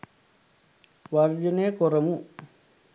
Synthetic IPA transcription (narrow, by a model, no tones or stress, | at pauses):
waɾd͡ʒunekoɾamu